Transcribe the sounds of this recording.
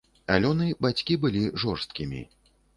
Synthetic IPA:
a̰lʲɔnɨbat͡sʲkʲibɨlʲiʐɔrst̪̚kʲimʲḭ

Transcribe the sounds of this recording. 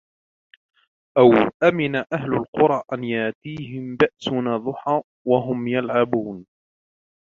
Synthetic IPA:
ʔawʔamɪnaʔaɦlʊlqʊɾˤɑʔanjaʔt̪iːɦɪmbaʔsʊnɑðˤʊħaː | waɦʊmjalʕabuːn

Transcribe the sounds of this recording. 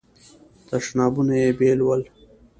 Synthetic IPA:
t̪aʂnɑːbunajebelwəl

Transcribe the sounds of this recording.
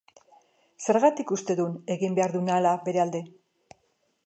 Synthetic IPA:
se̞ɾɣat̪ikust̪e̞ðune̞ɣimbe̞aɾðunalabe̞ɾe̞ald̪e̞

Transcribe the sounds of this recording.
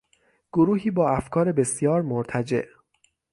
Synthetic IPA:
ɡ̥oɾuːɦiːbɒːæfkʰɒːɾebe̞sjɒːɾmoɾt̪ʰæd͡ʒe̞̰ʔ

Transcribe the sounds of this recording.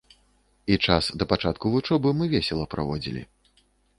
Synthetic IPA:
it͡ʂasd̪ɐpat͡ʂat̪kuvut͡ʂɔbɨmɨvʲɛsʲɛlˠɐpɾa̰vɔd͡zʲḭlʲḭ

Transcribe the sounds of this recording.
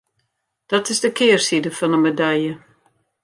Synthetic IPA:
d̥ɔtɪsdəkʰɪːrsidəfɔnəmedɛjjə

